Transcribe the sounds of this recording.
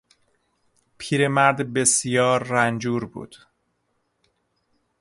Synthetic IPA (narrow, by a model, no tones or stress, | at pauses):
pʰiːɾe̞mæɾd̪be̞sjɒːɾːænd͡ʒuːɾbṵːd̪̥